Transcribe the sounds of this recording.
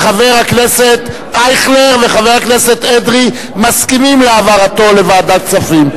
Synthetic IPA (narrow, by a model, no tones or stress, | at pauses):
χaveʁhakne̞set̪ | ajχleʁve̞χaveʁhakneset̪ed̪ʁi | maskimimleavaʁat̪o̞levaːdat͡safim